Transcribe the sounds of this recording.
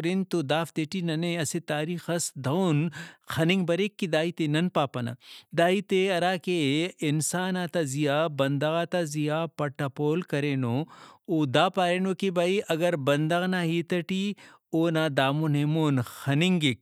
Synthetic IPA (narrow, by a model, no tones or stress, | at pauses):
ɾint̪od̪aːft̪eːʈinɐneɐset̪aːɾiːxɐsd̪ɐwnxɐnɪŋɡbɐɾekːid̪aːiːt̪enɐnpaːpɐna̰d̪aːit̪eɐɾaːkeɪnsaːnaːt̪azijaːbɐnd̪ɐɣaːt̪azijaːpɐʈːapoːlkɐɾeːnoːoːd̪aːpaːɾeːnoːkibaiʔɐɡɐɾbɐnd̪ɐɣnaːɦiːt̪ɐʈi | oːnaːd̪aːmonemoːnxɐnɪŋɡik̚